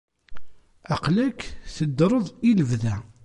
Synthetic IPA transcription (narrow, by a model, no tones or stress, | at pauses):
ɑqlækːθəd̪ɾˤəðˤiləvðæ